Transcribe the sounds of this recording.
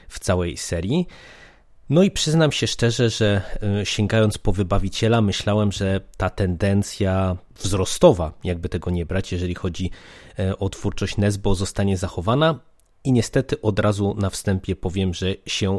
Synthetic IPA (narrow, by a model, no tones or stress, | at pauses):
ft̪sawɛjsɛɾʲji | nɔipʂɘznamɕɛʂt͡ʂɛʐɛʐɛɕɛŋɡajɔnt̪spɔvɘbavʲit͡ɕɛlamɘɕlawɛmʐɛt̪at̪ɛnd̪ɛnt̪sʲja | vzɾɔst̪ɔvajaɡ̚bɘt̪ɛɡɔɲɛbɾat͡ɕjɛʐɛlʲixɔd͡ʑi | ɔt̪fuɾt͡ʂɔɕt͡ɕnɛzbɔzɔst̪aɲɛzaxɔvana | iɲɛst̪ɛt̪ɘʔɔd̪ɾazunafst̪ɛmpʲjɛpɔvʲjɛmʐɛɕɛ